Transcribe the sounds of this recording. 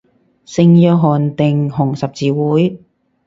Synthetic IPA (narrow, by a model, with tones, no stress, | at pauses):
sɪ˧ŋjœː˧k̚ɦɔː˨˩nt̪ɪ˨ŋɦʊ˨˩ŋsɐ˨p̚t͡siː˨˧wuː˨˥j